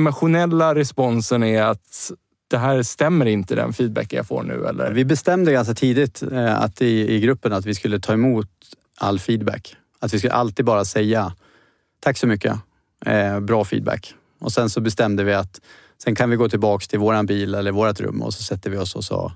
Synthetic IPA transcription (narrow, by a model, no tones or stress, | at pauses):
maɧʊnɛlːaɾɛspɔnsənæɾat̪ | d̪̥ɛɦæːɾst̪ɛmːəɾɪnt̪əd̪ɛ̰nfiːd̪̚bæ̰kːja̰fo̰ːɳʉ̟̰ːɛ̰lːə̰vɪbɛst̪ɛmd̪əɡans̬kat̪ʰiːd̪ɪt̪a̰t̪ɪɪɡɾɵpːənat̪vɪskɵlːət̪ʰɑːɛmuːt̪ | a̰lːfiːd̪bæ̰k | at̪vɪskɵlʔalt̪iːd̪bɑːɾasɛjːa | t̪ʰakːsɔmʏkːə̰ | bɾɑːfḭːd̪bæ̰kː | ʔɔsɛnsɔbɛst̪ɛmd̪əvɪat̪ | sɛnkʰanvɪɡoːt̪ʰɪlbɑːkst̪ʰɪlvoːɾanbiːlɛlːəɾvoːɾat̪ɾɵ̰mːɔ̰sɔsɛt̪ːəvɪɔsɔ̰sɔ̰